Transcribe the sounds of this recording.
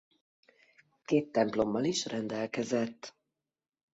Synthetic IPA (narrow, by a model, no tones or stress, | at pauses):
keːt̪ːɛmplo̞mːɒliʃrɛnd̪ɛlkɛzɛt̪ː